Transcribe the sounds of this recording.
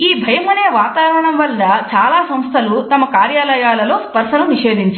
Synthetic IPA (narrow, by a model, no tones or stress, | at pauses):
iːbʱɐjɐmɐneːʋaːt̪aːʋɐɾɐɳɐmʋɐld̪ɐt͡ʃaːlaːsɐmst̪ʰɐlut̪ɐmɐkaːɾjaːlɐjaːlɐlo̞ːspɐɾʂɐnuniʂe̞ːd̪iɲt͡ʃ